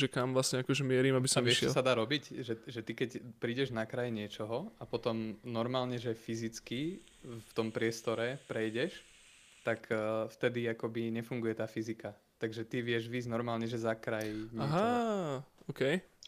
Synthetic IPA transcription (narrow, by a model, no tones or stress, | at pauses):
ʒɛkamʋlasɲɛakɔʒɛmɪɛɾiːmabisɔmɛʃɪɛ̰lsad̪aːɾɔbicʒɛʒɛt̪ikɛcpɾiːɟɛʒnakɾajɲɪɛt͡ʃɔɦɔapɔt̪ɔmnɔɾmaːlɲɛʒɛfizit͡ski | ft̪ɔmpɾɪɛst̪ɔɾɛpɾɛjɟɛʃ | t̪akːft̪ɛd̪iakɔbiɲɛfuŋɡujɛt̪aːfizika | t̪aɡʒɛt̪iʋɪɛʒʋiːznɔɾmaːlɲɛʒɛzakɾajɲɪaɛɦa | ʔɔːkɛj